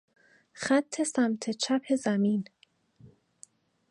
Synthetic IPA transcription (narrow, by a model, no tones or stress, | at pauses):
xæt̪ʰːe̞sæmt̪ʰe̞t͡ʃʰæpʰe̞zæmiːn